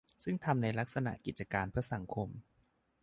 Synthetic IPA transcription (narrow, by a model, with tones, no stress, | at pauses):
sɯ˥˩ŋt̪ʰa˧mna˧jla˦˥k̚sa˧na̰˨˩ki˨˩t̪̚t͡ɕa˧kaː˧npʰɯ˥˩ɐsa˩˦ŋkʰo˧m